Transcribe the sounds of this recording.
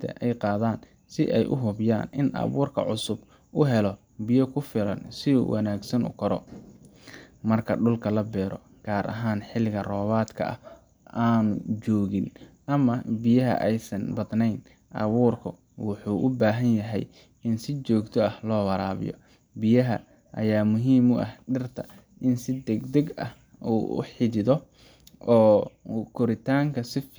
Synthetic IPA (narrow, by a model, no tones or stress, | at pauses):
t̪ʰɐ̰ʔɛjqɑːðaːn | sɪʔɛjʔʊɦʊβja̰ːnɪnʔɐ̰βuːrkʰɐ̰ʕʊsʊb | ʔʊɦɛlɔ | bɪjɐkʰʊfɪlɐ̰nsɪṵːwʔɑ̰naːɡsɐnʊ̰kʰɐɾɔ̰ | mɐrkʰɐɖʊlkʰɐlɐbɛːɾɔ̰ | ɡ̥aːɾʔɐ̰ɦaːnħɪlɪɣɐrɔːβaːd̪kʰɐ̰ʔɐ̰ | ʔaːnʊ̰t͡ʃɔːɣɪnʔɐmɐbɪjɐɦɐ̰ʔɛjsɐnbɐd̪nɛjn | ʔɐ̰βuːrkʰʊ | wʊħuːʔʊbaːɦɐnjɐɦɛ̰j | ɪnsɪt͡ʃɔːɡt̪ʰɔɐhlɔːwɐɾaːβɪ̰jɔ̰ | bɪjɐɦɐ̰ | ʔɐ̰jaːmʊɦiːmʊʔɐ̰hɖɪrt̪ʰɐ̥ | ʔɪnsɪd̪ɛɡd̪ɛɡɐh | uːʊ̰ħɪðɪðɔ | ʔɔːkʰʊɾɪt̪ʰaːŋkʰɐsɪ